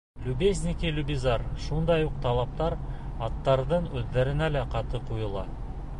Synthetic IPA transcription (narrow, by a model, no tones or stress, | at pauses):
lʲubezʲnʲikʲilʲubʲizɑɾʃund̪ɑjuq̚t̪ʰɑlˠɑp̚t̪ɑɾɑt̪ːɑɾd̪ɤɴɵðːæɾɘ̆nælæqʰɑt̪ɤqujɤ̆lˠɑ